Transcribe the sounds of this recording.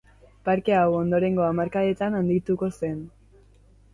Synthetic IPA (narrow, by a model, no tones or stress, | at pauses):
paɾke̞awo̞nd̪o̞ɾe̞ŋɡo̞amaɾkaet̪anand̪it̪uko̞se̞n